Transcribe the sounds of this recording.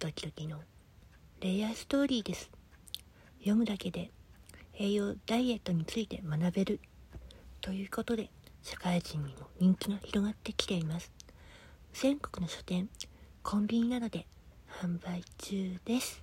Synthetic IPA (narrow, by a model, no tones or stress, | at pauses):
t̪o̞kʲi̥d̪o̞kʲino̞ | ɾe̞asɨ̥t̪o̞ːɾʲiːd̪e̞sɨ̥ | jo̞mɯ̟d̪ake̞d̪e̞ | e̞ːjo̞ːd̪̥aie̞t̪ːo̞ɲ̟it͡sɨit̪e̞manabe̞ɾɯ̟ | t̪o̞jɯ̟ːko̞t̪o̞d̪e̞ɕḁkaiʑĩɲ̟ːimo̞ɲ̟ĩŋkʲiɡaçiɾo̞ɡat̪ːe̞kʲi̥t̪e̞imasɨ̥ | z̥ẽ̞ŋko̞̥kɯ̟no̞ɕo̥t̪ẽ̞ŋkʰõ̞mbʲiɲ̟inad̪o̞d̪e̞ | hãmbait͡ɕɨːd̪̥e̞sɨ̥